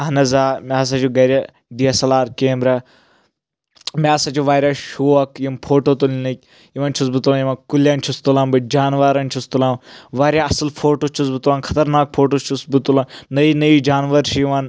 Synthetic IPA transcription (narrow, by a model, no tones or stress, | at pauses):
ɐnɐzaːmʲaːs̬ãt͡ʃʰuɡɐɾʲa | ɖiɐsɐlaːɾkeːmɾɐ | mʲaːsat͡ʃʰuʋaːɾʲaːʃuːɐkjimpʰoːʈoːt̪ulnik̚ʲ | jiʋɐnt͡ʃʰus̬bɨt̪ulanjimɐkuljaːnt͡ʃʰust̪ulaːmbɨd͡ʒaːnʋaɾɐnt͡ʃʰust̪ulaːmʋaːɾjaɐslpʰoːʈoːt͡ʃʰus̬bɨt̪ulaːnxʰɐ̥t̪ɐɾnaːk̚pʰoːʈoːt͡ʃʰusbut̪ulanːɐinɐid͡ʒaːnʋɐɾʃʰijiʋan